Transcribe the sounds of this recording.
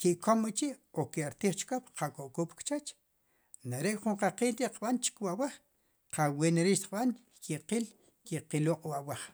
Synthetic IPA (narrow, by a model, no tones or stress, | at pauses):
kiʔkomit͡ʃiʔokeaɾt̪iːχt͡ʃkopqakoʔkuːpkt͡ʃat͡ʃ | naɾeʔχuɴqaqiːlɾiʔqɓant͡ʃi̥kwaʔwaχ | qaweneɾiːʃt̪i̥qɓan | kiqiːl | kiqiluqʼwawaχ